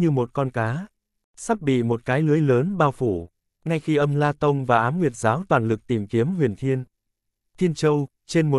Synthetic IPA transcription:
ɲɨ˧mo˨˩t̚kɔ˧nkaː˨˦ | saː˦˥p̚ɓḭ˧˨mo˨˩t̚kaː˨˦jlɨ˨˦əjləː˨˦nɓaː˧wfu˧˩ | ŋa˧jxi˧ʔə˧mlaː˧t̪ə˧wŋ͡mvaː˨˩ʔaː˨˦mŋwi˨˩ət̚zaː˨˦wt̪waː˨˩nlɨ˨˩k̚t̪i˧˩mki˨˦əmhwi˨˩ənt̪ʰi˧ən | t̪ʰi˧ənt͡ɕə˧w | t͡ɕe˧nmo˨˩

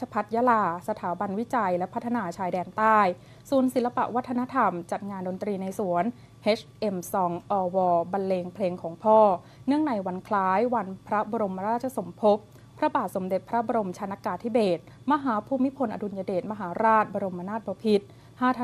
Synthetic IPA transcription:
t͡ɕʰa˧pʰa˦˥t̪̚ja˦˧˥laː˧sa˧t̪ʰaː˩˦ba˧nwi˦˥t͡ɕa˧jlɛ˦˥pʰa˦˥t̪ʰːa˧naː˧t͡ɕʰaː˧jdɛː˧nt̪aː˥˩j | su˨˩ənsi˨˩˦la˧pa̰˨˩ʔwa˦˥t̪ʰːa˧na˦˥t̪ʰa˧mt͡ɕa˨˩t̪̚ŋaː˧ndo˧nt̪ɾiː˧na˧jsu˨˩˦ən | heː˦˥t͡ɕʰʔe˧msɔː˨˩ŋʔɔː˧wɔː˧ba˧nleː˧ŋpʰleː˧ŋkʰɔː˩˦ŋpʰɔː˥˩ | nɯ˥˩əŋna˧jwa˧nkʰlaː˦˥jwa˧npʰɾa˦˥bɔ˧ɾo˧ma˧ɾaː˥˩t̪̚t͡ɕʰa˧˦so˩˦mpʰo˦˥p̚ʰː | ɾa˦˥baː˨˩t̪̚so˩˦mde˨˩t̪̚pʰɾa˦˥bɔː˧ɾo˧mt͡ɕʰaː˧na˧˥kaː˧t̪ʰi˦˥beː˨˩t̪̚ | ma˧ɦaː˩˦pʰuː˧mːi˦˥pʰo˧nʔa˧du˧njaː˧deː˨˩t̪̚ma˧ɦaː˩˦ɾaː˥˩t̪̚bɔ˧ɾo˧mːʔa˧naː˥˩t̪̚bɔː˧pʰi˦˥t̪̚ | haː˥˩t̪ʰ

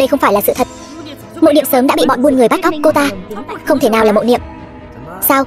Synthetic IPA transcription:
ɗə˧jxə˧wŋ͡mfaː˧˩jlaː˨˩sɨ̰˧˨t̪ʰə˨˩t̚ | mo̰˧˨jɗḭ˧˨əmsəː˨˦mɗa̰ː˧˥ḭ˧˨ɓɔ̰˧˨nɓu˧ənŋɨ˨˩əjɓa˦˥t̚ʔa˦˥wk͡p̚ko˧t̪aː˧xə˧wŋ͡mt̪ʰe˧˩naː˨˩waː˨˩mo̰˧˨nḭ˧˨əm | saː˧w

